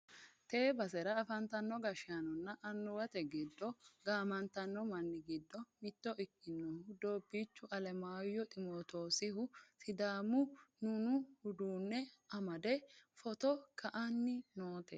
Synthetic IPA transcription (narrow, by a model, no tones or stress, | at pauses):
t̪eːbɐsɛɾɐːfɐnt̪ɐnːɔɡɐʃaːnɔnːɐʔɐnːʊwɐt̪ɛɡɪd̪ːɔɡaːmɐnt̪ɐnːɔmɐnːɪɡɪd̪ːɔmɪt̪ːɔʔɪkːɪnːɔhʊd̪oːbiːt͡ʃːʊʔɐlɛmaːjɔt̪ʼɪmoːt̪o̞ːsɪhʊsɪd̪aːmʊnʊnʊhʊd̪uːnːɛɐmɐd̪ɛfɔt̪ɔkʰɐʔɐnːɪnoːt̪ɛ